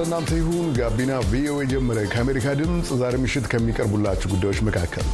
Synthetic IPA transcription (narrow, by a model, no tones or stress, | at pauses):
ɨnːant̪ʰəjɪhunɡabinavio̞ed͡ʒɛmːəɾəkʰəameɾikʰad̪ɨmsʼzaɾemɨʃːɪt̪kʰəmːikʼəɾbulːat͡ʃːɛwɡud̪ːajo̞t͡ʃːməkʰakʰːə̰l